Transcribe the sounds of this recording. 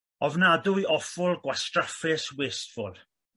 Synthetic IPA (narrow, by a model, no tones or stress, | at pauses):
ɔvnadʊiʔɔfʊlˠɡwastrafɪsweːstfʊlˠ